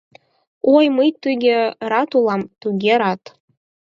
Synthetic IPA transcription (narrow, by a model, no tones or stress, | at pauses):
ojmɤjt̪yɡʲĕɾɑt̪ulˠɑmt̪uɡʲeɾɑt̪